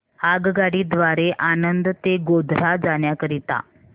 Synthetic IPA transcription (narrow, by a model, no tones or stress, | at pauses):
aɡɡaɽiːd̪ʋaɾeʔanənd̪t̪eɡod̪ʱɾad͡zaɳjakəɾit̪a̰